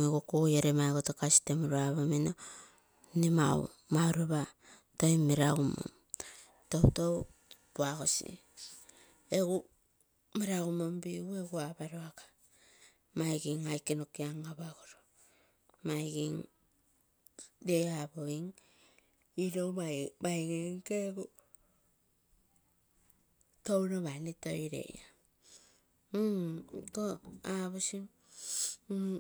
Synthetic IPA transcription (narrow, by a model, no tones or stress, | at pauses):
ŋeɡokuɣjaɾemaeɡotokasi̥temuɾoaβomino | nima̰w̰ | mawɾeβa | toimːiɾaɡumo̰m | towtow | puaɣosḭ | e̞ɡu | miɾaɡumombiue̞ɡuabaɾoakḁ | majɡiŋajkenokiaŋaβaɡoɾo | majɡiŋ | deaboiŋ | iɾomamajɡiŋkeɡu | towɾoβanitoiɾḛʔa | toaβosim